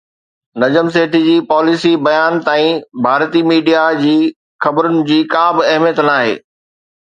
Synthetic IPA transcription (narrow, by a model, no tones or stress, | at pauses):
nɐd͡ʑəms̬eːʈʰid͡ʑiːpɔːlisibɐjaːnt̪aːĩbʱaːɾt̪imiːɖijad͡ʑiː | xɐbəɾʊnɪ̆d͡ʑiːkãːbɪɐɦmijət̪naːɦḛː